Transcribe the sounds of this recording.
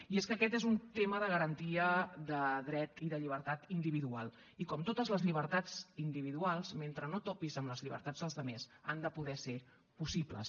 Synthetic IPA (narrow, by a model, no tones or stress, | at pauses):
ieskəkɛt̪ezunt̪eməðəɣəɾənt̪iəðəðɾɛt̪iðəʎiβ̞əɾt̪at̪ind̪iβiðualˠ | ikɔmt̪ot̪əzləzʎiβəɾt̪ad͡zind̪iβiðualˠzment̪ɾənot̪ɔpizəmləzʎiβə̰ɾt̪ad͡zðəlˠzðəmesand̪əpuðɛse | pusiplə̰s